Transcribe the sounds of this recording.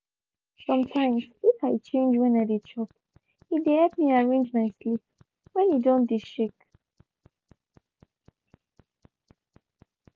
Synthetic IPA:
sʌ̃mtʰãj̃msifajt͡ʃʰẽnd͡ʒwɛ̃nadit͡ʃʰɔp̚ | hideɛtmiaɹẽnd͡ʒmajslip | wɛ̃njudõndiʃɪk

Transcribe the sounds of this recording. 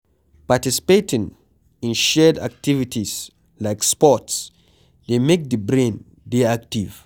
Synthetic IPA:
patisi̥petĩŋ | ĩnʃɛda̰k̚tivitʰis | laɪkspɔts | demek̚dəbɹẽn | deak̚tiv̥

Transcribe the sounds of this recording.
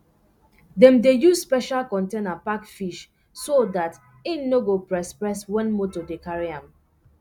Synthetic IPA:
dɛ̃mdejuzspɛʃalkɔ̃ntenapakfiʃ | sodat | ĩnːoɡopɹɛspɹɛswɛ̃nmotodekaɹiãm

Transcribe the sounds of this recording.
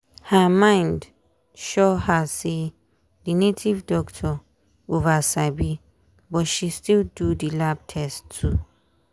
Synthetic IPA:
həmãɪ̃nd | ʃɔhəse | dinetʰivdɔktʰɔ | ovasabi | bɔtʃistildudilab̚tʰɛstʰu

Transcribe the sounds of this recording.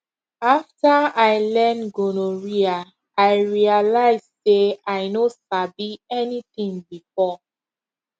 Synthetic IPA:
aftaajlɛnɡonoɹia | ajɹialaɪzseajnosabiɛnitĩŋbifɔ

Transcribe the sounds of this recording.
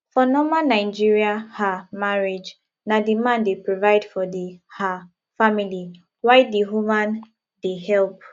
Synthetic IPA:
fɔnɔmãnaɪd͡ʒiɹiahamaɹed͡ʒ | nadimãndepɹɔvaɪdfɔdiha | famili | waɪdiɦumãn | deɦɛlp̚

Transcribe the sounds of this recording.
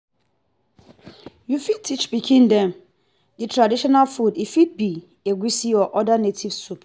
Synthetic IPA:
jufid̚tʰit͡ʃbikʰĩndɛ̃m | ditʰɾadiʃɔnalfudifid̚bi | eɡʷisiɔʔɔdanetʰivsup

